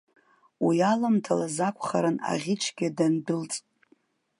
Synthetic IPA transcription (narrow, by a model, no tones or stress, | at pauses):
wijalamtʰalazakʷʰʼχa̰ɾɨna̰ʁʲit͡ʃʷʰɡʲadandɨlt͡sʼtʼ